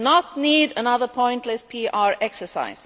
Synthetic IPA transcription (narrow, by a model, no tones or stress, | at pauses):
nətniːdənʌðə˞pʰɔ̃ɪ̃ntˡlɛspʰiːʔɑɹɛksəsa̰ɪs